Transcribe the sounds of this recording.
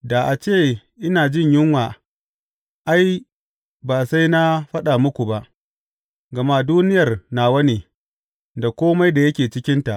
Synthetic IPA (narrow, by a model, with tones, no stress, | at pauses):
da˨ʔa˨t͡ʃeː˦˨ | ʔɪ˦naː˨d͡ʒɪ˦˨ɲjɪ˦ŋwaː˨ | ʔa˦j | baː˨sa˦jna˦ɸɐ˦ɗa˨mʊ˦kʷu˨ba˦ʔ | ɡɐ˨maː˦duː˦nɪ˦jɐ˨rnaː˨wɐ˦niː˨ | da˨kʷoː˦ma˦jda˨jɐ˦kʲeː˨t͡ʃɪ˦kʲɪ˦nta˨ʔ